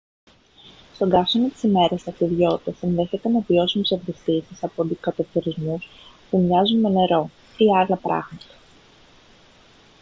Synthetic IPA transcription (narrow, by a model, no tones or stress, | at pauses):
st̪o̞ɡɐfsonot̪i̥sime̞ɾɐsɐkt̪iðʝo̞t̪esinðe̞çe̞t̪enevio̞simesɐvðist̪isisɐpond̪ikɐt̪ot̪iɾizmus | pumɲɐzunme̞ne̞ɾo̞ | iɐlɐpɾɐ̰ɣmɐt̪ɐ̥